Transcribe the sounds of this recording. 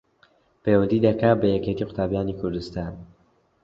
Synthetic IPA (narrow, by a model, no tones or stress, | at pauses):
pewɐnd̪iːd̪ɐkaːbɐjɛket̪iːqʊ̥t̪ʰaːbjaːnikʰʊɾd̪ɨst̪aːn